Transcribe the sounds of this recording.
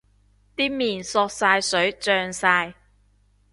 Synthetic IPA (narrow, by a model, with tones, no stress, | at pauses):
t̪iː˥miː˨˩nsɔː˧k̚saː˧jsɵ˨˥ɥt͡sœː˧ŋsaː˧j